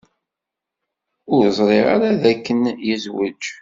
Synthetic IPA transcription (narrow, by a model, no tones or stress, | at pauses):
ʊɾzˤɾˤeʁa̰ɾaðækːənjəzwə̰d͡ʒ